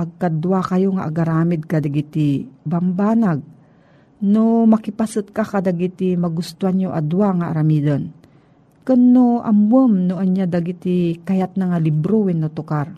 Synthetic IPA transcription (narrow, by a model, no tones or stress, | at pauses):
ʔɐɡ̚kad̪wakɐjoŋaʔaɡaɾaːmɪd̪̚kad̪aɡit̪ibambanaɡ̚ | nomɐkɪpasɨt̪̚kakad̪aɡit̪imɐɡʊst̪oaɲoʔa̰d̪uwaŋaʔa̰ɾamiːd̪on | kʊnːoʔa̰mwəmnoʔɐɲad̪aɡit̪ikajat̪̚naŋalɪbɾowɪnːot̪ʊkaɾ